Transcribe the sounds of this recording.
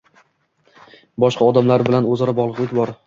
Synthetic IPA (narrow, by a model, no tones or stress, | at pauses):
bɒʃqɑɒd̪amlaɾbɪlanɵzɒɾabɒʁlˠɨʁek̪ʲbɒɾ